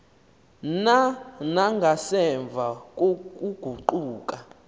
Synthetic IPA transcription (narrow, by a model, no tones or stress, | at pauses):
nanaŋɡʱasɛɱb̪vʱakʼukʼuɡ̥ʱuǃuːkʼa